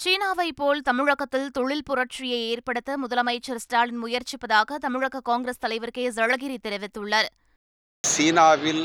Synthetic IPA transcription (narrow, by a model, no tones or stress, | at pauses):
t͡ʃiːnaːʋɐɪpːoːlt̪ɐmɪɻɐɣɐt̪ːɪlt̪ɔɻɪlpʊrɐʈ̚rɪjɐɪeːrpɐɽɯt̪ːɐmʊðɐlɐmɐɪt͡ʃːɐɾsʈaːlɪnmʊjɐɾt͡ʃɪpːɐðaːɣɐt̪ɐmɪɻɐɣɐkaːŋɡɾɐst̪ɐlɐɪʋɐɾkeːzɐɻɐɣɪɾit̪ːɛɾɪʋɪt̪ːɯɭːɐɾ | siːnaːʋɪl